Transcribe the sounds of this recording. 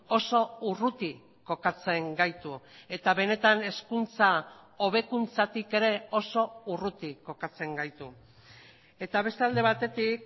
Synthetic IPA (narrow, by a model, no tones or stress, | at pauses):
o̞so̞urut̪i | ko̞kat͡se̞ŋɡajt̪ue̞t̪aβe̞ne̞t̪ane̞skunt͡sa | oβ̞e̞kunt͡sat̪ike̞ɾe̞o̞so̞urut̪iko̞kat͡se̞ŋɡajt̪u | e̞t̪aβ̞e̞st̪eald̪e̞β̞at̪e̞t̪ik̚